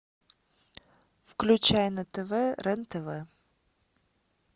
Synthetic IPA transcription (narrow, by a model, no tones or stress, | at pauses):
fklʲʉt͡ɕæjnət̪ɛvɛɾɛnt̪ɛvɛ